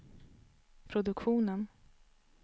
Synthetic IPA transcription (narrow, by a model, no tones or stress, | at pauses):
pʰɾʊd̪ɵkɧuːnən